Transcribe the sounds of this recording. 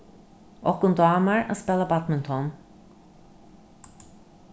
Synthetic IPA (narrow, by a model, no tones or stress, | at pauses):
ɔhkʊnd̪ɑːmaɹa̰spɛlabat̪mɪnt̪ʰɔn